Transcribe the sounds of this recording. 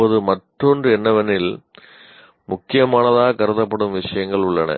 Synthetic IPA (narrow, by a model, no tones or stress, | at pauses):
oðɯmɐʈrondrɯɛnːɐʋɐnɪl | mʊkːɪjɐmaːnɐðaːkɐɾɐðɐpːɐɽɯmʋɪʂɐjɐŋɡɐɭʊɭːɐnɐ̰